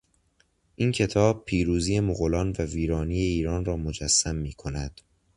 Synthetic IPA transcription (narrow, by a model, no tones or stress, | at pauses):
ʔiːncʰe̞t̪ʰɒːb̚pʰiːɾuːziːe̞moɣolɒːnvæviːɾɒːniːje̞iːɾɒːnrɒːmod͡ʒæsːæmːiːkʰo̞næd̪̥